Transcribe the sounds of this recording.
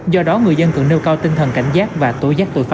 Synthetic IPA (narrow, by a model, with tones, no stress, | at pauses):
zɔ˧ɗɔ˨˦ŋɨ˨˩əjzə˧nt̪ɨ̰˧˨ŋne˧wkaː˧wt̪ï˧ŋt̪ʰə˨˩nka˧˩jŋ̟zaː˦˥k̚vaː˨˩t̪o˧˦jzaː˦˥k̚t̪o̰˧˥˨jfa˧˦